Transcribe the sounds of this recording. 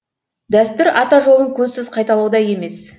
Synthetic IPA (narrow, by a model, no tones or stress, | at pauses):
d̪æst̪ʏɾʔɑt̪ɑʒo̞lˠəŋkʲʰɵzsɪzqʰɑjt̪ɑlˠuwəd̪ɑje̞me̞s